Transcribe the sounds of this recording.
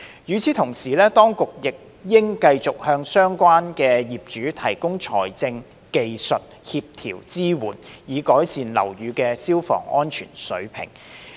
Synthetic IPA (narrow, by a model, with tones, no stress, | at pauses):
jyː˨˧t͡sʰiː˨˥t̪ʰʊ˨˩ŋsiː˨˩lɛː˥t̪ɔː˥ŋkʊ˨k̚jɪ˨k̚ | jɪ˥ŋkɐ˧jt͡sʊ˨k̚hœː˧ŋsœː˥ŋkʷaː˥nkɛː˧jiː˨p̚t͡ʃyː˨˥t̪ʰɐ˨˩jkʊ˥ŋt͡ʃʰɔ̰ː˨˩jt͡sɪ˧ŋ | ke˨jsɵ˨t̚hiː˧p̚t̪ʰḭː˨˩wt͡siː˥wuː˨˩njiː˨˧kɔː˨˥jsiː˨nlɐ̰˨˩wjyː˨˧kɛː˧siː˥wfɔ̰ː˨˩ŋɔ̰ː˥nt͡ʃʰy̰ː˨˩nsɵ˨˥ɥpʰɪ̰˨˩ŋ